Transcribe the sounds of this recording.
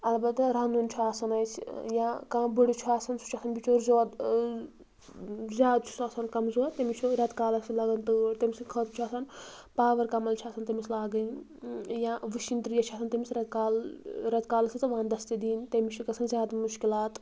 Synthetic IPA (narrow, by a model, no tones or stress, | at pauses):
ɐlbɐt̪ɾɐnunʲt͡ʃʰuaːsɐnɐjt͡ʃʰjãkãːbəɽit͡ʃʰuaːsɐnsʰu̥t͡ʃʰasʰɐnbʲit͡ʃoːɾzoːt̪ | zʲjaːd̪̚t͡ʃʰu̥saːsɐnkɐmzoːt̪emit͡ʃʰuɾɐt̪kaːlɐsʰilɐɡɐnt̪ɨt̪emʲisɨnkʰɐːt̪t͡ʃʰaːsɐn | paːʋɐɾkɐmɐlt͡ʃʰaːsɐnt̪ɐmislaːɡɨn | jãːʋɨʃint̪ɾjɐt͡ʃʰaːsʰɐnt̪emisɾɐt̪kaːlɾɐt̪kaːlɐsʰit͡sɨʋãːnd̪ɐst̪id̪iːnt̪emit͡ʃʰukɐsʰɐnzʲaːd̪muʃkilaːt̪